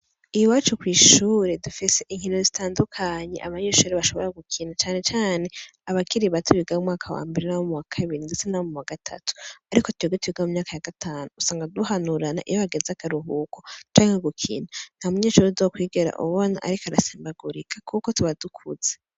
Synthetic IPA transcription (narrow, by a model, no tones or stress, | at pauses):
ijuwaːt͡ʃukwiːʃuːɾedufise̞ʔiŋ̥ino̞zitʰaːndukʰaɲe̞̰ʔa̰βaɲeʃuːɾeβaʃo̞βo̞ɾaɡukʰiːnat͡ʃaːne̞t͡ʃaːne̞aβakʰiɾiβatʰuβiɡaumŋaːkʰawa̰ːmbiɾinaβomuwakʰaβiɾindet͡senaβomumwaɡatʰa̰tu̥aɾikotuiɡetuβiɡamumɲaːkajaɡatʰaːnuusaːŋɡaduhanuɾana̰ʔijoβaɡezakaɾuɦukʰot͡ʃaːŋeɡukʰḭːnan̥hamuɲeːʃuːɾezokwiːɡeɾa̰ʔṵβona̰ʔa̰ɾikaɾaseːmbaɡuɾikʰḁkuko̞tuβadukʰṵz̥e